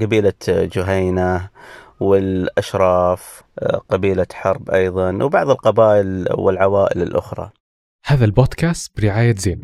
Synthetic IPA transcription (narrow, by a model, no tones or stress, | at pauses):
ɡabiːlad͡ʒʊɦaːna | wɪlʔaʃɾˤɑːf | qɑbiːlaħɑɾˤbʔɑjðˤɑnwbɑʕðˤəlqɑbaːʔɪlwɪ̰lʕawaːʔɪlɪlʔʊ̰xɾˤɑ̰ | haːðalboːd̪kaːst̪b̥ɾɪʕaːjazeːn